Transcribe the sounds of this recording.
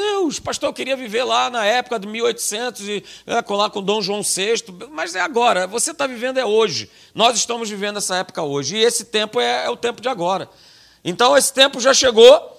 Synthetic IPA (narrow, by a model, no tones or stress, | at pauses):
d̪ewʃpaʃt̪oɾkɪɾiɐviveɾlanɐɛpʊ̥kɐd̪ʊmiwojt̪ʊ̥sẽnt̪ʊzɪɛkolakõd̪õw̃ʒuɐ̃w̃seʃt̪ʊmɐzɛaɡɔɾɐvoset̪avivẽd̪ʊɛoʒɪ̰ | nɔzɪʃt̪ɐ̃mʊzvivẽnd̪ʊɛsɐɛpʊ̥kɐoʒɪɪesɪt̪ẽmpʊɛɛʊt̪ẽmpʊd͡ʒɪaɡɔɾɐ | ẽnt̪ɐ̃w̃esɪ̥t̪ẽmpʊʒaʃeɡo